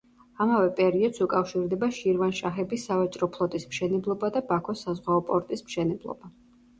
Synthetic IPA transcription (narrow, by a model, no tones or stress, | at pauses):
amavɛpʼɛɾiɔd̪̥sukʼafʃiɾd̪ɛbaʃiɾvanʃaχɛbisavat͡ʃʼɾɔpʰlˠɔt̪ʼismʃɛnɛblˠɔbad̪abakʰɔsazʁwaɔpʼɔɾt̪ʼismʃɛnɛblˠɔ̰ba